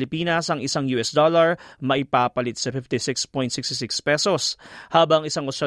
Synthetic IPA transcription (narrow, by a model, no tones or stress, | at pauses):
lɪpiːnɐsɐŋʔɪsaŋjuːʔɛsd̪olɐɹmɐʔɪpaːpɐlɪt̪̚sɐfɪft̪ɪsɪkspɔjn̚sɪkst̪ɪsɪkspɛsoshaːbɐŋŋɪsaŋʔosɐ